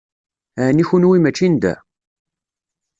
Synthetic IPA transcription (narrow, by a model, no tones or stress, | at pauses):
ʕniçunwimæt͡ʃːind̪æ̰